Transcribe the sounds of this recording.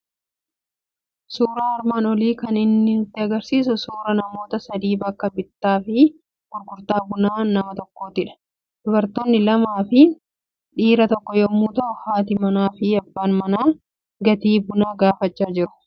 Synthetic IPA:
suːɾaːɐɾmaːnɔliːkɐnɪnːɪnʊt̪ːɪɐɡɐɾsiːs̬ʊsuːɾɐnɐmo̞ːt̪ɐsɐd̪iːbɐkːɐbɪt̪ːaːfɪ | ɡ̥ʊɾɡʊɾt̪aːbʊnaːnɐmɐt̪ɔkːo̞ːt̪ɪᶑɐ̥ | d̪̥ʊbɐɾt̪oːnːɪlɐmaːfɪ | ᶑiːɾɐt̪ɔkːɔjɔːmːuːt̪ɐʔʊhaːt̪ɪmɐnaːfɪɐbːaːnmɐnaː | ɡɐt̪iːbʊnaːɡaːfɐt͡ʃːaːd͡ʒɪɾʊ̥

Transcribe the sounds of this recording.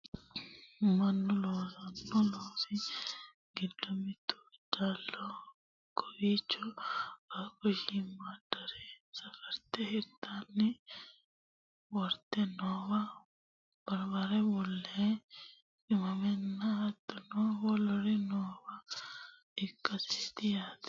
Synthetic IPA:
mɐnːʊloːsɐnːʊloːsɪ | ɡ̥ɪd̪ːɔmɪt̪ːʊ̥d̪aːlːɔ | kʰɔwiːt͡ʃːɔɐkːɔʃimːad̪ɐɾɛsɐfɛɾt̪ɛhɪɾt̪ːanːɪ | wɔɾt̪ːɛnoːbɐ | b̥ɐɾbaɾɛbɔlːɛ | ɪmɐmɛnːɐɐt̪ːɐnɔwɔlɔɾɛnoːbɐ | ɪkːɐsit̪ɪjaːt̪

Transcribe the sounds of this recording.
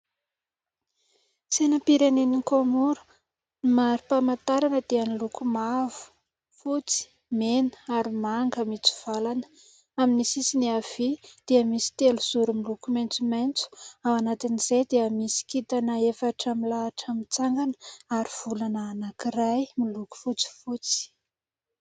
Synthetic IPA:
senəpiɾenenikomuɾu̥ | maɾipamant̪aɾanəd̪̥eənilukumavu̥ | fut͡si̥ | menə̥aɾimaŋɡəmit͡su̥v̥alanə̥ | aminisisiniav̥id̪̥eəmisi̥t̪eluz̥uɾumilukumejnt͡sumejnt͡su̥awanat̪iniz̥ejd̪eəmisi̥kit̪anəefaʈ͡ʂamilaːʈ͡ʂamit͡saŋɡanə̥aɾiv̥ulanaːnakirajmiluku̥fut͡si̥fut͡si̥

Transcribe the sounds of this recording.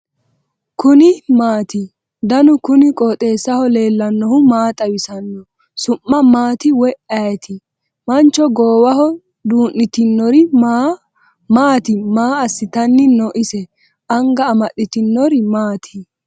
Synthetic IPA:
kʊnɪmaːt̪ɪ | d̪ɐnʊkʊnɪkʼɔːt̪ʼe̞ːsːɐhɔle̞ːlːɐnːɔhʊmaːt̪ʼɐwɪsɐnːɔ | sʊmːɐmaːt̪ɪwɔʔɐjɛt̪ʰɪ | mɐnt͡ʃːɔɡoːwɐhɔ | d̪uːnːɪt̪ɪnːɔɾɪmaː | maːt̪ɪmaːɐsːɪt̪ɐnːɪnɔʔɪsɛ | ʔɐŋɡɐːmɐɗɪt̪ɪnːɔɾɪmaːt̪ʰɪ

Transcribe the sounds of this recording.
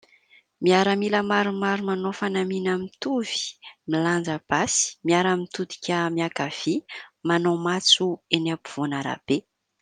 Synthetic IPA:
miaɾəmiləmaɾumaɾumanofanaminamit̪uv̥i̥miland͡zəb̥asi̥miaɾamit̪ud̪i̥kʲəmiakav̥imanomat͡suenapuv̥onaɾa̰b̥e

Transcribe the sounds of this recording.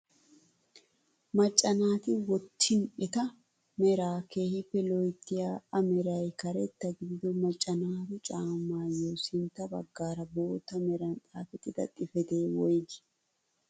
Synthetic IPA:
mɐt͡ʃʼːɐnaːt̪ɪwɔt̪ʰːɪnʔɪt̪ɐ | mɛɾaːke̞ːhɪpːɛlɔjt̪ːɪjaːɐmɛɾɐjkɐɾɛt̪ːɐɡɪd̪ɪd̪ɔmɐt͡ʃʼːɐnaːt̪ʊt͡ʃʼaːmːaːjoːsɪnt̪ːɐbɐ̰ɡːaːɾɐbo̞ːt̪ɐmɛɾɐnt̪ʼaːfɛt̪ɪd̪ɐ̰t̪ʼɪfɛt̪eːwɔjɡ̪ɪ̥

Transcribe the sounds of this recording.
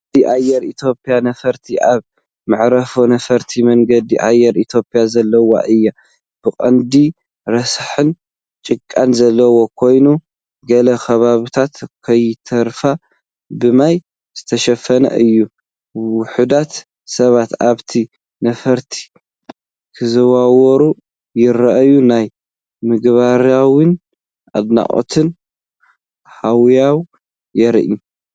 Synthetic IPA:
iʔajɛɾit̪ʰjo̞pʼijanɐfɐɾt̪ʰiʔaβ | mɨʕɾɐfonɐfɐɾt̪ʰimɐŋɡɐd̪iʔajːɛɾit̪ʰjo̞pʼijazɐlːɐwa̰ʔɨjːa | b̥ɨkʼɐnd̪i | ɾɐsħɨn | t͡ʃʼɨkʼːanzɐlːɐwo̞kʰo̞jnu | ɡɐlɐkʰɐβaβit̪ʰat̪kʰɐjt̪ʰɐɾfa | bɨmaj | z̥ɨt̪ʰɐʃɐfɐnɐ̰ʔɨjːu | wʊħud̪at̪ | sɐβat̪aβt̪ʰi | nɐfɐɾt̪ʰi̥ | kʰɨzɐwawɔɾu | jɪɾɐʔɐjunaj | mɨɡβaɾawɨn | ʔa̰d̪na̰ʔʼo̰t̪ʰɨn | hawjaw | jɛɾʔu

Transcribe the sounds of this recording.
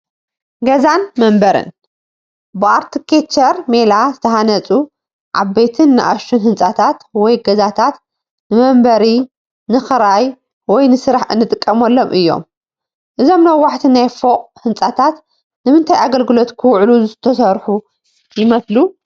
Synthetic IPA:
ɡɐzanmɐmbɐɾɨ̰n | bɨaɾt̪ʰɨkʰet͡ʃːɐɾmelazɨt̪ʰɐhanɐt͡sʼu | ʕa̰bːejt̪ʰɨnːɨ̰ʔa̰ʃɨnhɨnsʼat̪ʰat̪wɔjɡɐzat̪ʰat̪ | nɨmɐmbɐɾi | nɨxɨɾaj | wɔjnɨsɨɾaħɨ̰nːɨt̪ʼɨkʼːɐmɐlːomʔɨjːo̞̰m | ʔɨzo̞mnɐwːaħt̪ʰinajfoqʼhɨnt͡sʼat̪ʰat̪ | nɨmɨnt̪ʰajaɡɐlɡɨlot̪kʰɨwʕluzɨt̪ʰɐsɐɾħu | jɪmɐslu

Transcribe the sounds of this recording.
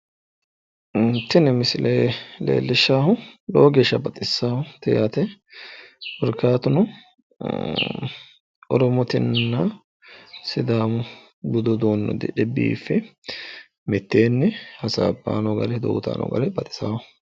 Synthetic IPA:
t̪ːɪnɛmɪsɪlʔeːlḛːlːɪʃːaːhʊloːɡeːʃːɐbɐt̪ʼɪsːaːhʊt̪ɛjaːt̪ɛ | wɔɾkaːt̪ʊnʊ | ʔɔɾɔmɔt̪ɪnːɐ | sɪd̪aːmʊ | bʊd̪ɔd̪oːnːɔ̰d̪ɪᶑɛbḭːfːɛ | mɪt̪ːeːnːɛhɐsa̰ːbːa̰ːnɔɡɐlɛd̪o̰ːt̪a̰ːnɔ̰ɡɐ̰lɛbɐt̪ʼɪ̥saːhʊ

